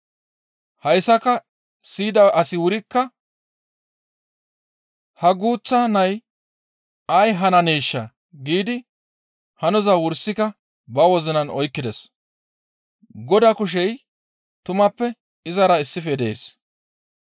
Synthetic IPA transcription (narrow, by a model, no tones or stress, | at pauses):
hɐjsːɐkɐ | siːd̪ɐʔɐsɪwʊɾɪkːɐ | hɐɡuːt͡sːɐnɐj | ɐjɦɐnɐniːʃːɐ | ɡiːd̪ɪ | hɐnɔzɐwʊɾsːɪkɐ | bɐwɔzɪnɐnɔjkːɪd̪ɛs | ɡɔd̪ɐkʊʃ̬ɛj | t̪ʊmɐpːɛ | ɪzɐɾɐɪsːɪfed̪eːs